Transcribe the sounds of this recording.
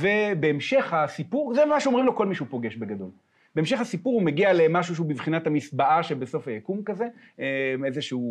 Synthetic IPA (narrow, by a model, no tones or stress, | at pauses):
ve̞beːmʃe̞χhasipuʁzemaʃeomʁimlo̞ko̞lmiʃupo̞ɡeʃbe̞ɡado̞̰l | b̥e̞emʃe̞χasipuʁume̞ɡialemaʃuʃ̬eubivχinathamisbaʔaʃebeso̞fajakumkaze̞ | emezeʃeu